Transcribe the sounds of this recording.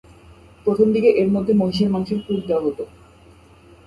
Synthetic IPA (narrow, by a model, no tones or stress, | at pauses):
pɾot̪ʰomd̪ikeʔeɾmod̪ʱːemoiʃ̬eɾmanuʃeɾkuɾd̪eoaɦot̪o